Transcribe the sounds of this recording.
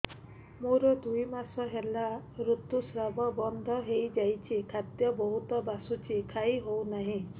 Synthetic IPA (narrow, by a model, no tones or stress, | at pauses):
muɾɔd̪ujmasɔɦelaɾut̪usɾabɔbɔnd̪ʱɔɦejd͡ʒajt͡ʃʰikʰat̪jɔbɔɦut̪ɔbasut͡ʃʰikʰajɦownaɦĩ